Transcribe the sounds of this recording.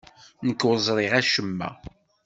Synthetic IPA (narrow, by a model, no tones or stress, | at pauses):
nəkːwəzˤɾˤɪʁæʃəmːæ̰